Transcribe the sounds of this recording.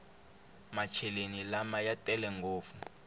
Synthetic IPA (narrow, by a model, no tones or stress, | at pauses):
mat͡ʃʰɛlenilamajatʼɛlɛŋɡoːfu